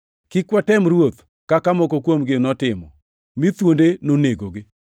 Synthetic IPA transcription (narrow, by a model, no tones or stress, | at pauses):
kɪkwatɛmɾwot̪ | kakamɔkokwomɡɪnɔtɪmɔ | mit̪wondenoneɡoɡɪ